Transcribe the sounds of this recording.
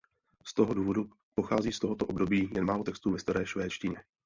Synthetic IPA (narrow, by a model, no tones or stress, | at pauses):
st̪o̞ɦoduːvo̞du | po̞xaːziːst̪o̞ɦot̪oʔobdo̞biːjɛnmaːlo̞t̪ɛkst̪uːvɛst̪aɾɛːʃvɛːt͡ʃcɪɲɛ